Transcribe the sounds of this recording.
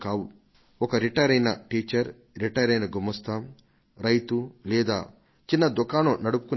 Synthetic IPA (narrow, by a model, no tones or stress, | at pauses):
kaːwu | ɔkɐɾiʈɐɾɐjnɐʈiːt͡ʃɐɾ | ɾiʈɐjɾɐjnɐɡumɐst̪ʰɐm | ɾɐjt̪ulɛːd̪a̰ː | t͡ʃinːɐd̪ukaːnunɐɽupu̥kun